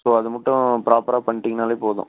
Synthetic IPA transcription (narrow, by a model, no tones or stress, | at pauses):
soːɐðɯmɐʈːʊ̃pɪɾaːpɐɾaːpɐɳːɪʈːɪŋɡɐnaːleːpoːðʊ̰̃